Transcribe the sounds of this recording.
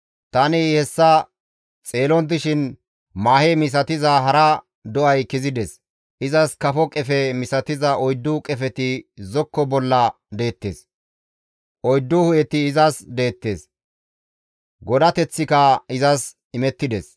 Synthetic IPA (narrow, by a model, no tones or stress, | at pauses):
t̪ɐnɪhɛsːɐ | t͡sʼeːlɔnd̪ɪʃɪn | maːhemɪs̬ɐt̪ɪzɐɦɐɾɐ | d̪ɔʔɐjkɪzɪd̪ɛs | ʔɪzɐskɐfɔkʼɛfɛmɪsɐt̪ɪzɐʔɔjd̪ːʊkʼɛfɛt̪ɪzɔkːɔbɔlːɐ | d̪e̞ːt̪ːḛːs | ʔɔjd̪ːʊhʊjɛt̪ɪːzɐsd̪e̞ːt̪ːe̞̰ːs | ɡɔd̪ɐt̪ɛt͡sːɪkɐɪzɐs | ɪmɛt̪ːɪd̪ɛs